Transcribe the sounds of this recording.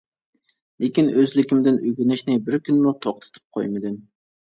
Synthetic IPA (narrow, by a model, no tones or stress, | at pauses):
lekʲinøzlɪkʲimd̪ɪnʔyɡʲynɪʃnɪbɪɾkʲynmut̪ʰɑq̚t̪ʰɨ̥t̪ʰɪ̥p̚qʰo̰jmɪd̪ɪn